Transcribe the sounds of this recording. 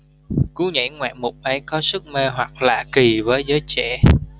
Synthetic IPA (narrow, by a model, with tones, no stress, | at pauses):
ku˨˦ɲə̰˧˥jŋwa̰ː˧˨mʊ˨˩k͡p̚ʔə˨˦jkɔ˨˦sɨ˦˥k̚me˧ɦwa˨˩k̚la̰ː˧˨ki˨˩vəː˨˦jzəː˨˦jt͡ɕɛ̰˧˨